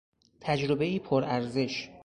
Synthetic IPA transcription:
t̪ʰæd͡ʒɾobeiːpʰoɾæɾze̞ʃ

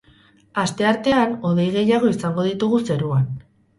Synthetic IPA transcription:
ast̪e̞aɾt̪e̞ano̞ð̞e̞jɣ̞e̞jaɣ̞o̞isaŋɡo̞ð̞it̪uɣ̞use̞ɾuan

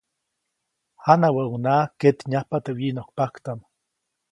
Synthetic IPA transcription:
hanawaʔunaket̪ɲahpat̪ewinokpakt̪am

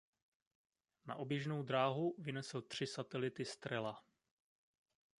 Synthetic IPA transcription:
na̰ʔo̞bjɛʒnowd̪ɾaːɦuvɪnɛsl̩t̪r̝̥ɪsat̪ɛlɪt̪ɪst̪ɾɛla

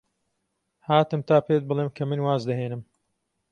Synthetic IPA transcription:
haːt̪ɨmt̪ʰaːpʰet̪̚bɨlˠeːmkʰɐmɨnwaːzd̪ɐɦeːnɨm

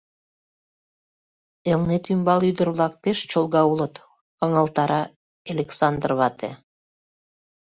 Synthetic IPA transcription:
elnet̪ymbɑlyd̪ərβlɑk̚peʃt͡ɕolˠɣɑulət̪ | əŋəlt̪ɑɾɑ | elʲeksɑnd̪rβɑt̪ḛ

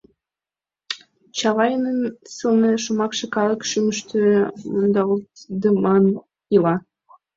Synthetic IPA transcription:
t͡ɕɑβɑjənənsəlneʃomɑkʃĕkɑləkʃyməʃt̪ømund̪ɑult̪d̪əmɑn | jilɑ

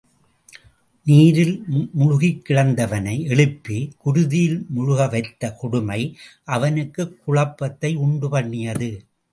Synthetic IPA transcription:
niːɾɪlmʊɻʊɣɪkːɪɻɐnd̪ɐʋɐnɐɪɛɭɯpːikʊɾʊðɪjɪlmʊɻʊɣɐʋɐɪt̪ːɐkʊɽʊmɐɪʔɐʋɐnɯkːɯkːʊɻɐpːɐt̪ːɐɪʊɳɖɯpɐɳːɪjɐðɯ

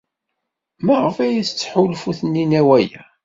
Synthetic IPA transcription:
məʁəfæjst͡sːħulfuθənːinæwæjæ

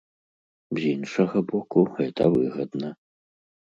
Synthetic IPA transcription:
zʲinʂɐɣɐbɔkuɣɛt̪ɐ̰vɨɣɐd̪nɐ

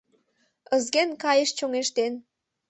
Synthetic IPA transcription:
əzɣenkɑjə̆ʃt͡ɕoŋeʃt̪en

